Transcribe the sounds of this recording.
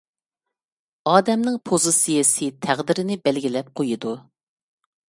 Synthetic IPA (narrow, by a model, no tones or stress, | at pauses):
ɑːd̪ɛmnɪŋpʰozɨsijɪsɪt̪ʰæʁd̪ɪɾɪnɪbɛlɡʲilɛp̚qʰojud̪u